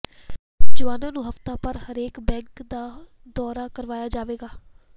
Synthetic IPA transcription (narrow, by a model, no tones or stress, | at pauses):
d͡ʒəʋaːnãːnũːɦəft̪aːpəɾhəɾeːkbɛ̃ːŋkd̪aː | d̪ɔːɾaːkəɾʋaːjaːd͡ʒaːʋeːɡaː